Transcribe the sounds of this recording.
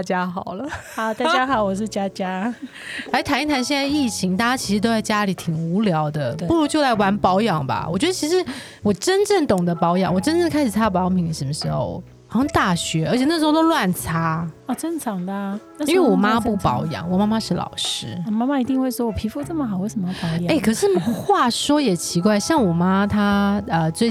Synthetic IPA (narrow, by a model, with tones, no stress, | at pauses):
t͡ɕja˥xɑ˨˩ʊlə˦a˨˩t̪a˥˩t͡ɕja˦˥xɑ˨˩˦ʊwɔ˨˩ʂ̬ɻ̩˥˩t͡ɕja˥t͡ɕja˥ | la˧˥ɪ˥˨˩t̪ʰa˧˥ni˥˩t̪ʰa˧˥nɕjɛ˥˧nt͡s̪ə˧i˥˩t͡ɕʰi˧˥ŋt̪a˥˧˩t͡ɕja˥t͡ɕʰi˧˥ʂɻ̩˧t̪o˥ʊt͡sa˥˩ɪt͡ɕja˥li˨˩˦t̪ʰi˨˩ŋu˧˥ljɑ˧˥ʊd̪ə˧pu˥˩ɻu˧˥t͡ɕjo˥˧a˥˩ɪwa˧˥npɑ˧˥ʊjɑ˨˩ŋba̰˨wɔ˨˩t͡ɕɥɛ˧˥d̪ə˧t͡ɕʰi˧˥ʂɻ̩˧˥ | wɔ˨˩ʈ͡ʂə˦nʈ͡ʂə˥˩nt̪ʊ˨˩ŋd̪ə˦pɑ˧˥ʊjɑ̰˨˩ŋwɔ˨˩ʈ͡ʂə˥nʈ͡ʂə˥˩ŋkʰa˥ɪʂɻ̩˨˩t͡sʰa˥˧pɑ˧˥ʊpʰi˧˥ŋd̪ə˧ʂə˧˥nmə˧ʂɻ̩˧˥xo̰˧ʊ˧˥ | xo˥˧t̪a˥˩ɕɥɛ˧˥ʔə˧˥t͡ɕʰɛ˨˩n˥˩ʂɻ̩˧xo˥˧˩t̪o˥lwa˥˩nt͡sʰa˥ɔ˨˩ʈ͡ʂə˥nʈ͡ʂʰɑ˧˥ŋd̪ə˧˩i˥˧˥we˥˩wɔ˨˩ma˦˥pu˥˩pɑ˧˥ʊjɑ̰˨˩˦ŋwɔ˨˩ma˥ma˦ʂɻ̩˥˩lɑ̰˨˩ʊʂɻ̩˥˩ma˥ma˧i˧˥t̪i˥˧ŋxwe˥˩ɪʂwɔ˥wɔ˨˩pʰi˧˥fu˥˧t͡sə˥˩mə˩xɑ˨˦we˥˩ʂə˧˩˥mə˧pɑ˧˦ʊjɑ˨e˥˩ɪkʰɤ˨˩ʂʂɻ̩˥˩xwa˥˩ʂwɔ˥jɛ˨˩t͡ɕʰi˧˥kwa˥˧ɪɕjɑ˥˩ŋwɔ˨˩ma˥t̪ʰa˥ə˧t͡swe˥˩ɪ